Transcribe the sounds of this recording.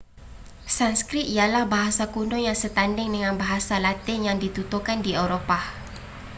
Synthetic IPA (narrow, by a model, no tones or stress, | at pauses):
sanskɾit̪ialahbaɦasakunɔjaŋsət̪andɪŋdəŋanbaɦasalat̪ɪŋjaŋdit̪ut̪ukandiewɾopa